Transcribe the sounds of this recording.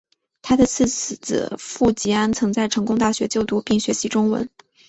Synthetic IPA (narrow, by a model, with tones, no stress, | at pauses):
t̪ʰa˥d̪ə˨t͡sʰɹ̩˥˩t͡s̩˨˩ɹ̩̰˨˩fu˥˩t͡ɕi˧˥a˥nt͡sʰɤ˧˥ŋt͡sa˥˩ɪʈ͡ʂʰɤ˧˥ŋkʊ˥ŋt̪a˥˩ɕɥɛ˧˥t͡ɕjo˥˩ʊt̪u˥pi˥˩ŋɕɥɛ˧˥ɕi˧˥ʈ͡ʂʊ˥ŋwə̰˧˥n